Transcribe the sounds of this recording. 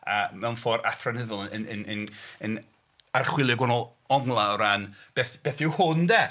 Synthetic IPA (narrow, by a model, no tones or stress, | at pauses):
amɛwnfoːɾa̰tʰranɪðʊlˠəənənənən | arχwɪlˠjəɡwɔnɔlˠ | ɔŋlˠaɔɾanb̥eθb̥eːθɪwhʊndɛ